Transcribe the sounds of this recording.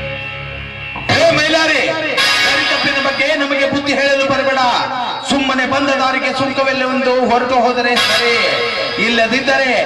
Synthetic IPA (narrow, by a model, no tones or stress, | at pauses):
ɦeːmɐjlaːɾisɐɾit̪ɐpːiɾɐbɐɡːe̞nɐmɐɡe̞bud̪ːiɦeːɭɐlːubɐɾɛbɛːɽɐsumːɐnebɐnd̪ʱɐd̪aːɾiɡesukːɐʋelːiond̪uɦɔɾɐɡɐɦoːd̪ɐɾesɐɾe | ilːɐd̪id̪ːɐɾe